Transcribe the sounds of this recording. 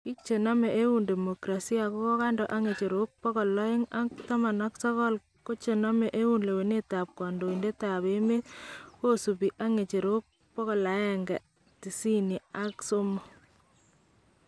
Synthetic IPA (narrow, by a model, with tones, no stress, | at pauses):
ki˦kt͡ʃe˨na˦mɛ˨ʔe˦u˨nde˨mo˨kɾa˨si˦a˨ko˦kɔ˦ka˦ndɔ˨ʔa˦ŋe˨t͡ʃe˨ɾo˦k̚pɔ˦kɔ˨lɔ˦ɪ˦ŋa˦ktɔ˦ma˨nɔ˦ksɔ˦kɔ˦l | ko˦t͡ʃe˨na˦mɛ˨ʔe˦wu˦nle˨we˨ne˦ta˨p̚kɔ˨ndo˨i˨nde˦ta˨βe˦me˦tko˦su˨pi˨ʔa˦ŋe˨t͡ʃe˨ɾo˦k̚ | pɔ˦kɔ˨la˨˦jɛ˨ŋɡɛ˨ | ti˨si˦ni˨a˦kso˦mo˨